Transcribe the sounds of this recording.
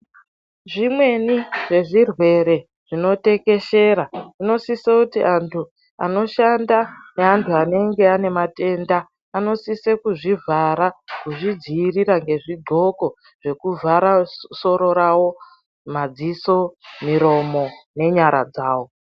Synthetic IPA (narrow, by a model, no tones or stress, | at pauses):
ʐimwe̞niʐe̞ʐirwe̞ɾe̞ | ʐ̥ino̞te̞ke̞ʃe̞ɾaino̞sisekutiʔantʰu | a̰no̞ʃandaneantʰuane̞ŋɡe̞ane̞mate̞ndaː | no̞sisekuʐivʱaɾakuʐid͡ziːriɾaŋɡe̞ʐiɡ͡ǃʱo̞ko̞ | ʐ̥e̞kuvʱaɾaso̞ɾo̞ɾawo̞ | mad͡ziso̞miɾo̞mo̞ne̞ɲaɾa̰d͡zaːwo̞